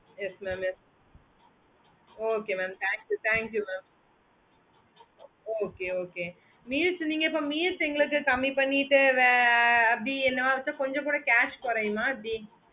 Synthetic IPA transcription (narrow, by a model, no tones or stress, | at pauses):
jɛsmɛːmjɛs | oːkeːmɛːmt̪ʰaːŋkjut̪ʰaːŋkjumaːm | oːkeːoːkeː | miːlsniːŋɡɐipːoːmiːlsɛŋɡɐɭɯk̬ːɨkɐmːipɐɳːiʈːɨʋeɐiɛnːɐʋaːʋɐt̪ːɐkɔɲd͡ʒõkuːɽɐkaːʃkɔɾɐjumːaːɐd̪i